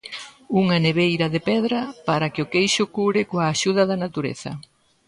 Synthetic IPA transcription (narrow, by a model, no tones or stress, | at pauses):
uŋɐneβejɾɐðepɛðɾɐpaɾɐkɪʊkejʃʊkuɾɪkoaːʃuðɐðɐnat̪uɾḛθɐ̰